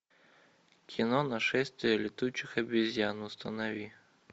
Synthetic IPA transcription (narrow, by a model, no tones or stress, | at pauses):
kʲʰinɔnɐʃɛsʲt̪ʲiɛlʲɪt̪ut͡ʃɪxɐbʲizʲjanʊst̪ɐnɐʋʲi